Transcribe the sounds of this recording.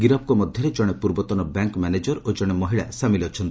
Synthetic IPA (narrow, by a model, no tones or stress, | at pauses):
ɡiɾɔp̚kɔmɔd̪ʱjɔɾed͡ʒɔɽ̃epuɾbɔt̪ɔnɔbaŋkmaned͡ʒɔɾod͡ʒɔɽ̃emɔɦiɭasamilɔt͡ʃʰɔnt̪i